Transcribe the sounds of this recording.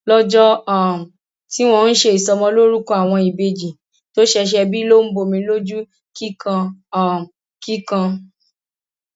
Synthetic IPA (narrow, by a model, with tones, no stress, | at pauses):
lɔ˦d͡ʒɔ˦a˦˨ | ti˦w̃ɔ̃˧n̩˦ʃe˧i˨sɔ˧mɔ̃˧lo˦ɾu˦kɔ̃˧˦a˨w̃ɔ̃˧i˨be˧d͡ʒi˨ | to˦ʃɛ˧ʃ̬ɛ˧bi˦lo˦m̩˦bo˧˨mĩ˧lo˦d͡ʒu˦ | ki˦kã˧a˦˨ | ki˦kã˧